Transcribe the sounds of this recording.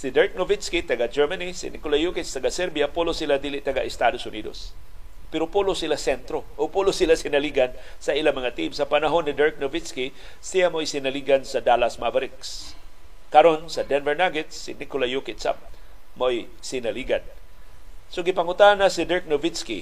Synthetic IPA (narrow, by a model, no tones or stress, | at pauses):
sid̪ɛɹk̚novɪt̪skit̪ɐɡad͡ʒɛɹmanisɪ̰nɪkʊlajukɪt̪st̪ɐɡasɛɾbijapulosilad̪ilɪʔt̪ɐɡaʔɪst̪ad̪osʊnid̪o̰s | pɛɾopulosilasɛnt̪ɾoʔoɡ̚pulosilasɪnaliɡansɐʔilamɐŋat̪imsɐpanaɦonːɪd̪ɛɹk̚novɪt̪ski | sijamaʔojsɪnaliɡansɐd̪alasmavaɾɪks | kaɾonsɐd̪ɛnvɛɹnaɡɪt̪sɪ̰nɪkʊlajukɪt̪sa̰p̚ | moʔoj | sɪnaliɡan | soɡɪpaŋʊt̪anasid̪ɛɹk̚novɪt̪skḭ